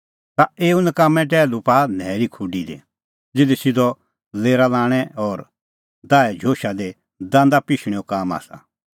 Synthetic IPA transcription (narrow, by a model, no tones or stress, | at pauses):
t̪aeːunəkamːɛ̃ʈ̬ɛːlupaːnɛːɾikʰʊɖid̪ḛ | d͡zɪd̪esɪd̪ɔ | leːɾalãːɽ̃ɛɔɾ | d̪aːɛd͡ʒʱoːʃad̪e | d̪ãːnd̪apɪʃɽ̃ɛ̃okaːma̰ːsa̰